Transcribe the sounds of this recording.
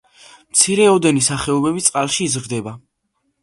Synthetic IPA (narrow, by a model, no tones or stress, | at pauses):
mt̪sʰiɾɛɔd̪ɛnisaχɛɔbɛbit̪sʼqʼalˠʃiːzɾd̪ɛba